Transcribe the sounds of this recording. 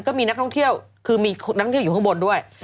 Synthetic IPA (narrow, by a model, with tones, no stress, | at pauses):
nkɔː˥˩miː˧na˦˥k̚tʰɔ˥˩ŋt̪ʰi˥˩əwkʰɯː˧miː˧na˥k̪ːʰjuː˨˩˥bo˧ndu˥˩əj